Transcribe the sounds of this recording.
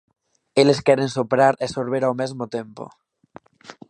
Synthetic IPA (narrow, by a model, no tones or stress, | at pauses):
eleskeɾensopɾaɾesoɾβ̞eɾawmezmot̪empo̰